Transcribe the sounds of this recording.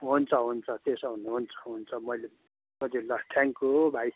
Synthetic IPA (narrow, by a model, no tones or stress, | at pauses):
ɦunt͡sʰʌɦunt͡sʰʌt̪esʌɦuneɦunt͡sʰʌ̥ɦunt͡sʰʌmʌjle | mʌd͡zelʌt̪ʰjaŋkubʱaj